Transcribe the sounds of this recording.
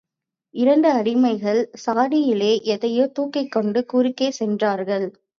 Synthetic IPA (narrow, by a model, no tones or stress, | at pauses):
ɪɾɐɳɖɯɐɽɪmɐɪɣɐɭsaːɽɪjɪleːʔɛðɐjoːt̪uːkːɐɪkːɔɳɖɯkuːɾɪkːeːsɛndraːɾɣɐɭ